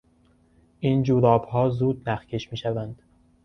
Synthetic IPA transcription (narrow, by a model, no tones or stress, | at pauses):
ʔiːnd͡ʒuːɾɒːbhɒːzuːd̪̚næxcʰe̞ʃmiːʃævænd̪̥